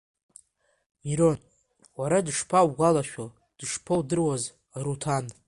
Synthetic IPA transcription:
miɾon | waɾadʂpʰawɡʷalaʃᶣa | d̥ʂpʰowdɨrwaz | aɾutʰan

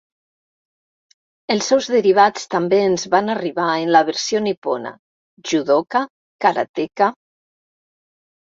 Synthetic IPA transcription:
əlˠsɛwzðəɾiβ̞at͡st̪ambeːnzβanariβ̞aenlaβ̞əɾsionipona̰ | ʒuðoka | kaɾa̰t̪eka

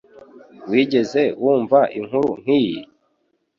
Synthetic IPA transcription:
wiːɟe̞ze̞wuːɱvaʔiŋ̥huɾuŋ̥hijḭ

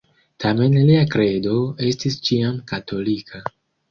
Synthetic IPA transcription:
tʰame̞nliakɾe̞do̞e̞stist͡ʃiamkatʰo̞likʰa

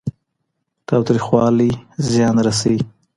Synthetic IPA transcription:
t̪ɑwt̪ɾixwɑlizjɑnɾas̬awi

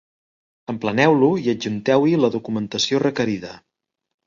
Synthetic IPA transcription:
əmplənɛwluiəd͡ʒunt̪ɛwiləðukumənt̪əsiorəkəɾiðə

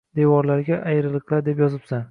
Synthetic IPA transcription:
d̪̥e̞wɒɾlaɾɡʲaʔajɾɪlˠɨqlˠaɾd̪e̞pjɒzɪpsan

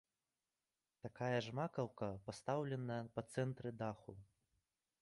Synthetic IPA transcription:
t̪akajɐʐmakɐwkɐpast̪awlʲɛnɐjɐpɐt̪sɛnt̪ɾɨd̪axu

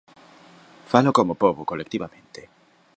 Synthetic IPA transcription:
falokomopoβokolekt̪iβamẽnt̪e

